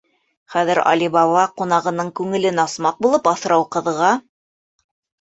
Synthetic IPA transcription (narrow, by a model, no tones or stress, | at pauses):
χæðɘɾɑ̰lʲibɑβɑqunɑʁɤ̆nɤɴkʉŋɘ̆lɘnɑsmɑq̚bulˠɤpɑθɤ̆ɾɑwqɤ̆ðʁɑ